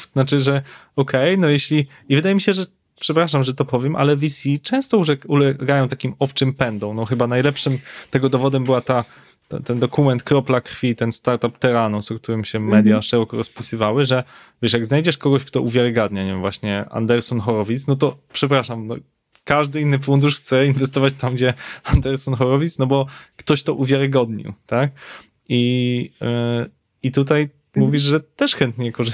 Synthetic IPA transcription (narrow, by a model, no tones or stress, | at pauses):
nat͡ʂɘʐɛ | ɔkʰɛjnɔjeɕlʲi | ivɘd̪ajɛmʲiɕɛʐɛ | pʂɛpɾaʂamʐɛt̪ɔpɔvʲjɛmʔa̰lɛvʲisʲit͡ʂɛ̃w̃st̪ɔuʐɛulɛɡajɔ̃w̃t̪akʲimɔft͡ʂɘmpɛnd̪ɔ̃w̃nɔxɘbanajlɛpʂɘmt̪ɛɡɔd̪ɔvɔd̪ɛmbɘwat̪a | t̪a̰t̪ɛnd̪ɔkumɛnt̪kɾɔplakɾfʲit̪ɛnst̪aɾt̪apt̪ɛɾanusɔk̚t̪uɾɘmɕɛmɛd̪ʲjaʂɛɾɔkɔɾɔspʲisɨvawɘʐɛ | vʲɛʂjaɡznajd͡ʑɛʂkɔɡɔɕkt̪ɔuvʲjaɾɨɡad̪ɲaɲɛvwaɕɲɛa̰nd̪ɛɾsɔnxɔɾɔvʲit̪snɔt̪̬ɔpʂɛpɾaʂamnɔ̰ | kaʐd̪ɘinːɘfund̪uʂxt̪sɛinvɛst̪ɔvat͡ɕt̪amɡd͡ʑɛand̪ɛɾsɔnxɔɾɔvʲit̪snɔbɔkt̪ɔɕt̪ɔʔuvʲjaɾɨɡɔd̪ɲḭwt̪ak̚ | i | it̪ut̪aj | muvʲiʐʐɛt̪ɛʂxɛnt̪ɲɛkɔʐ